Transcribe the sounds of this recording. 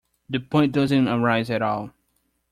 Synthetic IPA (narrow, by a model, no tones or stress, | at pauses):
ðɨpʰɔ̃ɪ̃n̚dʌzɨ̃ntəɹaɪzɨɾɔlˠ